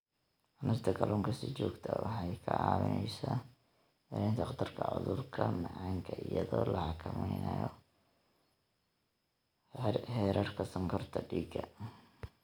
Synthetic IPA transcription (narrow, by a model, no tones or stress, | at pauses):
ʔʊnʊst̪ʰɐkʰɐlʔuːŋkʰɐsiːt͡ʃɔːɡt̪ʰɐwɑħɑjkʰɐʕɑːwɪnɛjsa | hɛɾnt̪ʰɐqd̪ɐrkʰɐʕʊðʊrkʰɐmɑʕɑːŋkʰɐʔɪjɐðɔːlɐhɑkʰɐmɛjnɐjɔ | hɛːɾɐrkʰɐsɐŋkʰɔrt̪ʰɐɖiːɡɐ